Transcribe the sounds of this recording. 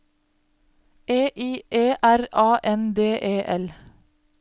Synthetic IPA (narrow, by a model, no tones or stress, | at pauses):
eːʔiːʔeːʔæɾʔɑːʔɛnd̪eːʔeːʔɛl